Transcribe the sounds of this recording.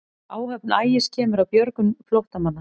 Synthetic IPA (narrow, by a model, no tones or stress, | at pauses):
aːwhœpnaːjɪscʰɛːmʏɾawpjœɾkʏmflowht̪amanːa